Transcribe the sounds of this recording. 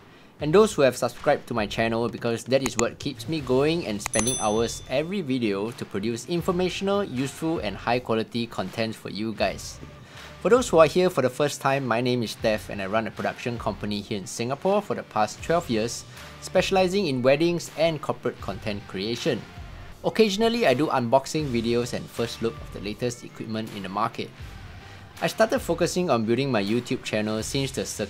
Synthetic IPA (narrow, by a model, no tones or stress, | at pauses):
ɛ̃ndoshuhɛv̥səbskɹaɪb̚tʰumaɪt͡ʃʰɛnəlbikʰɔsdɛt̚iswətkʰːipsmiɡoɪ̃ŋɛ̰̃nspɛ̃ndɪ̃ŋʔa̰wəsɛvɹividiotupʰɹodjusɪ̃ɱfɔmeʃənəljusfulɛ̰̃nhaɪkʰwɔlitikʰɔ̃ntʰɛ̃ntfɔ̰juɡaɪs | fɔdoshuahiəfɔdəfəstʰãɪ̃mːajnẽmɪstɛfɛ̰̃najɹãnəpʰɹoda̰kʃə̃nkʰɔ̃mpənihiəĩnsɪ̃ŋəpʰɔfɔdəpʰastʰwɛlvjiəsː | pɛʃəlaɪzɪ̃ŋĩnwɛdɪ̃ŋsɛ̃nkʰɔpəɹət̚kʰɔ̃ntʰɛ̃nkʰɹieʃə̃nokʰeʒənəliajduʔãnbɔksɪ̃ŋvidiosɛ̰̃nfəslʊkɔ̰fdəletəstḭkwip̚mə̃ntḭ̃ndəmakʰə̰t̚ | ʔajstatəd̥̚fokəsɪ̃ŋɔ̃nbildɪ̃ŋmajjutʰjub̥̚t͡ʃʰɛnəlsĩmstusə